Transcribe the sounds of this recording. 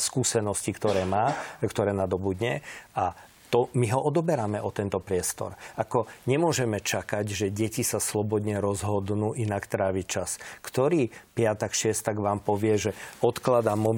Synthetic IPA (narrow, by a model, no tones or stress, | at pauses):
skuːsɛnɔscikt̪ɔɾɛːmaːkt̪ɔɾɛːnad̪ɔbud̪ɲɛa | t̪ɔmiɦɔʔɔd̪ɔbɛɾamɛʔɔt̪ɛnt̪ɔpɾɪɛst̪ɔ̰ɾakɔɲɛmʊɔʒɛmɛt͡ʃakaɟʒɛɟɛcisaslɔbɔd̪ɲɛɾɔzɦɔd̪nuːʔinakt̪ɾaːʋit͡ʃaskt̪ɔɾiːpɪat̪akʃɪɛst̪aɡʋaːmpɔʋɪɛʒɛɔt̪klad̪amɔ